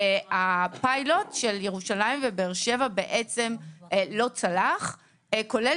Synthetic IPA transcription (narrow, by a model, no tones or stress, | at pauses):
apajlo̞tʃeljeʁuʃalaimvebeːʁʃevabeʔet͡se̞mlo̞t͡salaχ | ko̞le